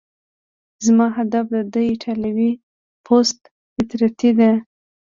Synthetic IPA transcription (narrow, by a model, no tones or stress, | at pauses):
zmɑɦad̪afd̪əd̪əjʈʰalawi | pʰost̪ | fɪt̪ɾat̪id̪e